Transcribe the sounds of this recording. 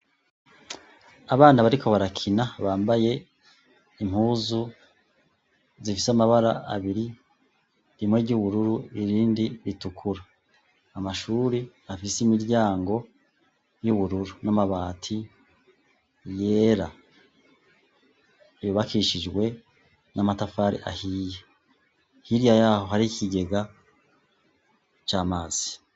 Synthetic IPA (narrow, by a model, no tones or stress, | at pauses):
aβaːnaβaɾikʰo̞βaɾakʰinaβaːmbaje̞ | im̥huːzu | zifisamaβaɾaʔa̰βiɾi | ɾimwe̞ɾɟuːβuɾuɾuiɾiːndiɾitukʰuɾaː | maʃuːɾi | afisimiɾɟaːŋɡo̞ | juβuɾuɾunamaβaːtʰi | je̞ːɾa | βuβakiʃid͡ʒɡwe̞ | nʔamatafaːɾḭʔa̰hiːje | hiɾijajaːho̞ɦaɾikiɡe̞ɡa | t͡ʃaːmaːz̥i̥